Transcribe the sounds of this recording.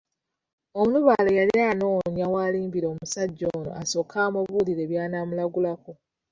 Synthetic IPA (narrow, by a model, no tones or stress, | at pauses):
omuluβalejaliaːno̞ːɲawaːliːmbiɾo̞ːmusaɟːo̞no̰ʔaso̞kʰamoβuliɾe̞βjaːnamulaɡulako